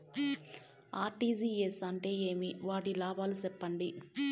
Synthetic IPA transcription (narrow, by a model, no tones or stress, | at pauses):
aːʈiːziːesɐɳʈe̞ːeːmiʋaːʈilaːbaːlusɛpːɐɳɖi